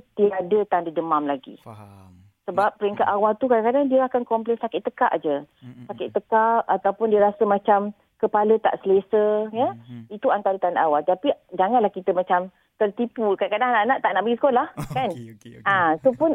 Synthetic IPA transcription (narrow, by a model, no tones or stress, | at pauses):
t̪iadət̪andədəmãmlaɡḭ | səbap̚ːəɾiŋkaʔ̪awalt̪ukadaŋkadaŋdiəakankɔmplɛnsakɪʔt̪ːəka̰ʔd͡ʒəsakɪʔt̪əkaʔat̪awpʊndiəɾasəmãt͡ʃam | kəpalət̪a̰ʔsəlesəjəit̪uant̪aɾət̪andaʔawalt̪apid͡ʒaŋanlahkit̪əmãt͡ʃam | t̪ərt̪ipukadakadaŋanaʔnaʔt̪aʔnaʔbəɡisə̥kolahkanãsopʊn